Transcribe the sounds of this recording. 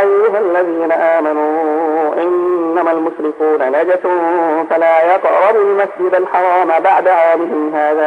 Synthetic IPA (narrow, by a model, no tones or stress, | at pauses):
ʔajːʊɦalːaðiːnaʔaːmanuːʔɪnːamalmʊʃɾɪkuːnanad͡ʒatfalaːjɑqɾɑbumasd͡ʒɪd̪alħɑɾˤɑːmbaʕd̪aʕaːmɪɦɪmɦaːða